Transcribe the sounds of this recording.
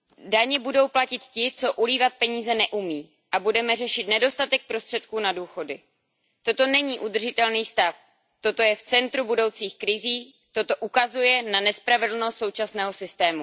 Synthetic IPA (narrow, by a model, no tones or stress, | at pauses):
daɲɛbudo̞wplacɪt̪cɪt͡so̞ʔuliːvat̪̚pɛɲiːzɛnɛʔumiː | ʔabudɛmɛr̝ɛʃɪt̪nɛdo̞st̪at̪ɛk̚pɾo̞st̪r̥ɛt̪kuːnaduːxo̞dɪ | t̪o̞t̪o̞nɛɲiːʔud̪r̩ʒɪt̪ɛlniːst̪af | t̪o̞t̪o̞jɛft͡sɛnt̪ɾubudo̞wt͡siːxkɾɪziː | t̪o̞t̪o̞ʔukazujɛnanɛspɾavɪdl̩no̞st̪so̞wt͡ʃasnɛːɦo̞sɪst̪ɛːmu